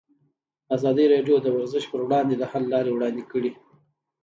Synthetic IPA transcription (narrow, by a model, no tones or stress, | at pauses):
azɑd̪əɾɑɖjod̪əwaɾzəʃpəɾwɽɑnd̪ed̪əhalːɑɾewɽɑnd̪ekəɽi